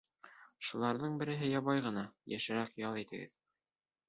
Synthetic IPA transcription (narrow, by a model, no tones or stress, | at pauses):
ʃulˠɑɾðɤɴbɘ̆ɾɘ̆ɦɘjɑβɑjʁɤ̆nɑjæ̰ʃɘ̆ɾækjɑlˠit̪ɘ̆ɡɘ̰ð